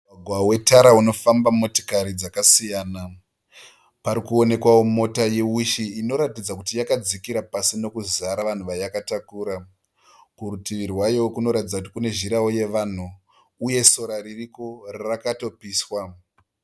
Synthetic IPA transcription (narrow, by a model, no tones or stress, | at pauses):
aɡʱwawe̞taɾauno̞fambamoti̥kaɾid͡zakasijaːna | paɾikuo̞ne̞kwawo̞mo̞tajewiʃiːno̞ɾatid͡zakutijakad͡zikiɾapasino̞kuzaɾaʋan̤uʋajakatakuːɾa | kuɾutiʋirwajookuno̞ɾatid͡zakuti̥kune̞ʒiɾaoje̞ʋan̤uː | je̞so̞ɾaririko̞rarakato̞piːswa